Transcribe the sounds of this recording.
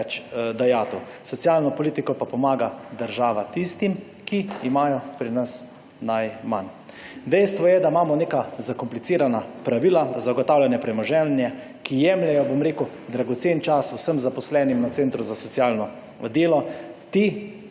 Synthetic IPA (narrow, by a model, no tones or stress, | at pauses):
t͡ʃd̪ajaːt̪u | sɔtsjaːlnɔpɔliːt̪ikɔpapɔmaːɡad̪əɾʒaːʋat̪ist̪im | kiːmaːjɔpɾinas | najman | d̪ɛjst̪ʋɔjɛd̪amaːmɔneːkazakɔmplit̪siːɾanapɾaʋilazaɡɔt̪aːwlʲjanjɛpɾɛmɔʒɛnjɛ | kijɛmljɛjɔbomɾeːku | d̪ɾaɡɔt̪seːnt͡ʃasusəmzapɔslɛːnimnaseːnt̪ɾuzasɔtsjalnɔ | d̪eːlɔt̪i